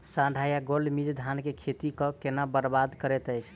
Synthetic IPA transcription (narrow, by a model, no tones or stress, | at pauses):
sãɖʱajaɡolmid͡ʒd̪ʱankekʰet̪ikɔ̃kenabəɾbad̪kəɾɛt̪əjt͡ʃʰ